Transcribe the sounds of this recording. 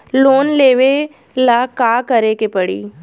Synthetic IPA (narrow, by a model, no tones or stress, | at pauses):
loːnleːʋe | laːkaːkɐɾekepɐɽḭː